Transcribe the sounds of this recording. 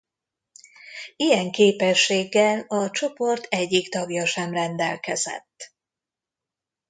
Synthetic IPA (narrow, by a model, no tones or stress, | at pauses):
ijɛŋkeːpɛʃːeːɡːɛlɒt͡ʃo̞po̞rt̪ʰɛɟːikt̪ɒɡjɒʃɛmrɛnd̪ɛ̰lkɛzɛ̰t̪ː